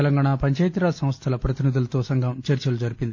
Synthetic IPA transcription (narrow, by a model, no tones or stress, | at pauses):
ɛlɐŋɡaːɳaːpɐɲt͡ʃɐjt̪ɾaːsɐ̃mʋɐst̪ʰɐlɐpɾɐt̪inid̪ulɐt̪o̞ːsɐŋɡɐmt͡ʃɐɾt͡ʃɐlud͡ʒɐɾipind̪i